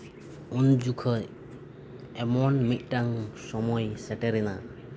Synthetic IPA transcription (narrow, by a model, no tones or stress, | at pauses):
und͡ʒukʰə | ɛmɔnmit̪̚ˀʈaŋsɔmɔjsɛʈɛɾɛna